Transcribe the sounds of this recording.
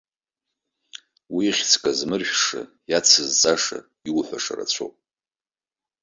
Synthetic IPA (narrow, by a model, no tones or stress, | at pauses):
wiχʲt͡sʰʼkʼazmɨrʒᶣʂa̰ | jat͡sʰɨzt͡sʼaʂa̰ | iwħʷaʂa̰ra̰t͡sʷʰo̰pʼ